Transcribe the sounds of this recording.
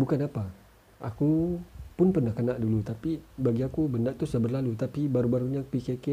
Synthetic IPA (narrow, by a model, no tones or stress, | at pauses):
bukanapa | akupʊnpərnahkənaʔdulut̪apibaɡiakubəndaʔt̪uhsəbərlalut̪apibaɾubaɾuɲapikeke